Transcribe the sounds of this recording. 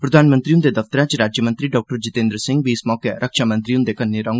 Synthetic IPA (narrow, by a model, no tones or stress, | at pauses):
pɾəd̪ʱaːnmə̃nt̪ɾiːʊnd̪eːd̪əft̪əɾãːt͡ʃiɾaːd͡ʒjəmə̃nt̪ɾiːɖɔːk̚ʈəɾd͡ʒɪt̪ẽːnd̪ɾəsɪ̃ŋɡʋiːɪsmɔːkeɾʔəkʃaːmə̃nt̪ɾiːʊ̃nd̪eːkənːeɾãːŋɡ